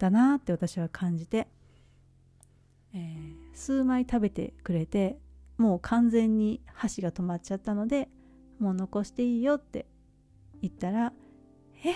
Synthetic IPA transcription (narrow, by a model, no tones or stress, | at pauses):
d̪̥anat̪ːe̞βat̪aɕiβ̞akʰãɲ̟d͡ʑit̪e̞ | eːsɨːmait̪abe̞t̪e̞̰kɯ̟ɾe̞t̪e̞mo̞ːkʰãnd͡zẽ̞ɲ̟ːihaɕiɡat̪o̞mat͡ɕat̪ːano̞d̪e̞ | mo̞ːno̞ko̞ɕi̥t̪e̞iːjo̞t̪ːe̞̰ | it̪ːaɾa | e